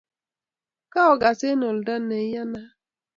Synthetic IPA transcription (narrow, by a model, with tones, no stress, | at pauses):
ka˦ɔ˨ɡa˨se˦no˨lda˦ne˨˦ja˦na˦